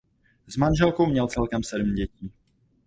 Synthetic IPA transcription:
zmanʒɛlkowmɲɛlt͡sɛlkɛmsɛdm̩ɟɛciː

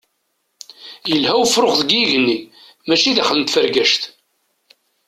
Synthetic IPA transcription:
jəlhæwəfɾʊχðəɡiʝənːi | mæʃiðæχələnt̪fəɾɡæʃt̪

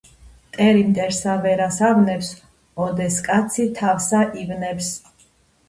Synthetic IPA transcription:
t̪ʼɛɾimt̪ʼɛɾsavɛɾasavnɛps | ɔd̪ɛskʼat̪sʰit̪ʰafsaʔivnɛps

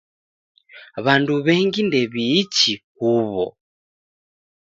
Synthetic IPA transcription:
βanduβɛŋɡindɛβiːt͡ʃihuβɔ̰

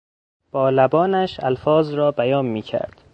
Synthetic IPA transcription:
b̥ɒːlæbɒːnæʃælfɒːzɾɒːbæjɒːnmiːcʰæ̰ɾd̪̥

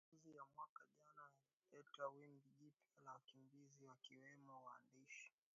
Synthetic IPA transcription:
zijamwakaʄanaalipɛtawimbiʄipialawakimbiziwakiwɛmɔwaːndiʃḁ

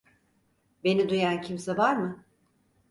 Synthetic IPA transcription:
be̞nid̪ujancʰimsɛvaɾmɯ

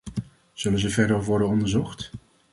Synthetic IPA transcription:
z̥ɵlənzəvɛɹdərʋɔɹdənɔndəɹzɔχt

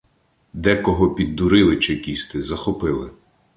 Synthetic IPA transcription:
d̪ɛkɔɦɔpʲid̪ːuɾɪlˠɪt͡ʃɪkʲist̪ɪzɐxɔpɪlˠɪ

